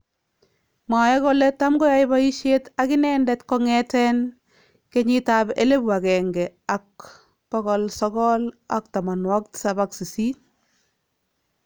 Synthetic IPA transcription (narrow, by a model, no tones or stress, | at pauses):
majɛkɔlɛtamɡɔjajɪbaiʃetakɪnɛndɛtkɔŋɛtɛn | kɛɲɪtabelebwakɛŋɡɛak̚ | pɔkɔlsɔkɔla̰k̚tamanwɔk̚sabaksisin